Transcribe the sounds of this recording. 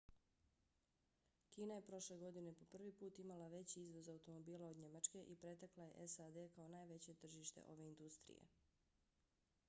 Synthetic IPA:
kiːnaje̞pɾo̞ʃle̞ɡo̞d̪ine̞po̞pr̩ʋipuːt̪imalaʋe̞t͡ɕiizʋo̞zaut̪o̞mo̞biːlˠaod̪ɲe̞mat͡ʃke̞ʔipɾe̞t̪aklaje̞̰ʔesad̪eːkao̞naːjʋe̞t͡ɕe̞t̪r̩ʒiʃt̪ḛʔo̞ʋe̞ind̪ust̪ɾḭjḛ

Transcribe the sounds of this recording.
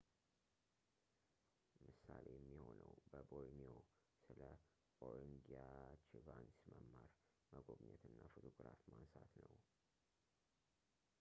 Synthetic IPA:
mɨsalejɛmːiho̞nəwbəbojnio | sɨlə | oɾŋɡiat͡ʃivansməmːaɾ | məɡobɲɛt̪ɨnːafot̪ʰoɡɾafmansat̪nəw

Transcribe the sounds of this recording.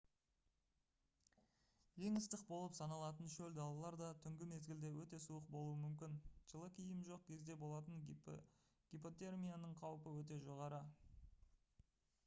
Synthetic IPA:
je̞ŋəst̪ɪqbo̞lˠəpsɑnɑlˠɑt̪ənʃɵld̪ɑlˠɑlˠɑɾd̪ɑt̪ʰʏŋɡʲɪme̞zɡʲɪld̪e̞wɵt̪e̞suəq̚bo̞lˠuəmʏmkʲɪnʒ̥əlˠəkʲʰijɪmʒo̞q̚kʲʰe̞zd̪e̞bo̞lˠɑt̪əŋ | ɡ̥ʲipo̞t̪e̞rmʲijanəɴqʰɑwpəwɵt̪̬e̞ʒo̞ʁɑɾə

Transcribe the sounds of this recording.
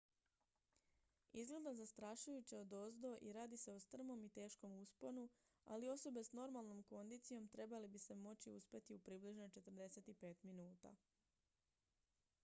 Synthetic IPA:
izɡle̞d̪azast̪ɾaːʃujut͡ɕeo̞d̪ozd̪o̞ʔiɾaːd̪ise̞o̞st̪r̩mo̞mit̪e̞ːʃko̞muspo̞nu | a̰lio̞so̞be̞sno̞ɾmalˠno̞mko̞nd̪iːt̪sijo̞mt̪ɾe̞balibise̞mo̞t͡ɕiuspe̞t̪iupɾibliʒnot͡ʃe̞t̪r̩d̪e̞se̞t̪ipe̞ːt̪minuːt̪a̰

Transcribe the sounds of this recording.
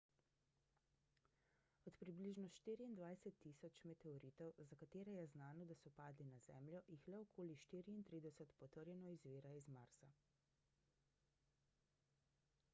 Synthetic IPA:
ɔt̪pɾibliʒnɔʃt̪iːɾiːnd̪ʋajsɛt̪ːiːsɔt͡ʃmɛt̪ɛɔɾiːt̪ɔwzakat̪eːɾɛjɛznaːnɔd̪asɔpaːd̪linazɛːmljɔʔjixlɛɔkʰoːliʃt̪iːɾiːnt̪ɾiːd̪ɛsət̪pɔt̪əɾjɛnɔizʋeːɾaizmaɾsa

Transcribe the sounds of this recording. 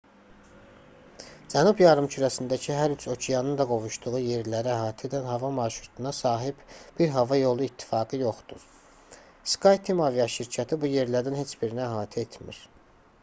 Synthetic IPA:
d͡ʒænubjɑɾɯmt͡ʃʰyɾæsind̪æcʰiɦæɾyt͡ʃʰo̞cʰijɑnɯnd̪ɑɡo̞vuʃd̪uʁuje̞ɾlæɾææɦɑːt̪ʰid̪ænɦɑvɑmɑɾʃɾut̪ʰunɑsɑːɦib̥b̥iɾɦɑvɑjo̞lˠuit̪ʰːi̥fɑːɡɯjo̞χd̪uɾ | skʰɑjt̪ʰimɑvijɑʃiɾcʰæt̪ʰibuje̞ɾlæɾd̪inɦe̞t͡ʃb̥iɾnæɦɑːt̪ʰiet̪ʰmḭɾ

